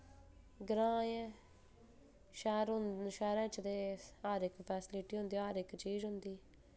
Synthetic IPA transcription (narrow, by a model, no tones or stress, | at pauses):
ɡɾãːɛ̃ː | ʃɛːɾʃɛːɾɛ̃ːt͡ʃd̪eːaːɾɪkpʰɛːsɪlɪʈiːɦʊ̃nd̪iːaːɾɪkt͡ʃiːzɦʊnd̪iː